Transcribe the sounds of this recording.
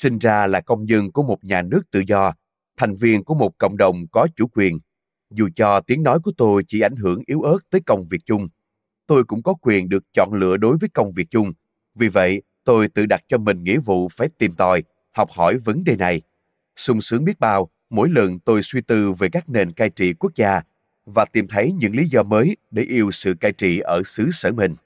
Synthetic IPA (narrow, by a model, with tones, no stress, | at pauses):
sï˧ŋ̟zaː˧laː˨˩kə˧wŋ͡mzə˧nku˧˩əmo˨˩t̚ɲaː˨˩nɨ˦˥ək̚t̪ɨ̰˧˨zɔ˧ | t̪ʰa˨˩jŋ̟vi˧ənku˧˩əmo˨˩t̚kə̰˧˨wŋ͡mɗə˨˩wŋ͡mkɔ˨˦t͡ɕu˧˩kwi˨˩ən | zu˨˩t͡ɕɔ˧t̪i˨˦əŋnɔ˨˦jku˧˩ət̪o˧jt͡ɕi˧˩ʔa˧˩jŋ̟ɦɨ˧˩əŋʔi˨˦wʔə˦˥t̚t̪əː˨˦jkə˧wŋ͡mvi˨˩ək̚t͡ɕʊ˧ŋ͡m | t̪o˧jkʊ̰˧˥ŋ͡mkɔ˨˦kwi˨˩ənɗɨ˨˩ək̚t͡ɕɔ̰˧˨nlɨ̰˧˨əɗo˨˦jvəː˨˦jkə˧wŋ͡mvi˨˩ək̚t͡ɕʊ˧ŋ͡m | vi˨˩və̰˧˨j | t̪o˧jt̪ɨ̰˧˨ɗa˨˩t̚t͡ɕɔ˧mï˨˩ŋ̟ŋḭ˧˥vṵ˧˨faː˧˩jt̪i˨˩mt̪ɔ˨˩j | hɔ˨˩wk͡p̚hɔ˧˩jvə˨˦nɗe˨˩na˨˩j | sʊ˧ŋ͡msɨ˨˦əŋɓi˦˥ət̚ɓaː˧w | mo̰˧˥jlə˨˩nt̪o˧jswi˧t̪ɨ˧ve˨˩kaː˦˥k̚ne˨˩nkaː˧jt͡ɕḭ˧˨ku˦˥ək̚zaː˧ | vaː˨˩t̪i˨˩mt̪ʰə˨˦jɲɨ̰˧˥ŋli˨˦zɔ˧məː˨˦jɗe˧˩ʔi˧əwsɨ̰˧˨kaː˧jt͡ɕḭ˧˨ʔəː˧˩sɨ˨˦səː˧˩mï˨˩ŋ̟